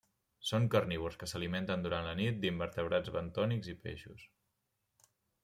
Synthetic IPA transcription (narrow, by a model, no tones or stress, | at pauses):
soŋkərniβuɾskəsəliment̪ənd̪uɾanlənit̪̚d̪imbəɾt̪əβɾad͡zβənt̪ɔniɡzipḛʃṵs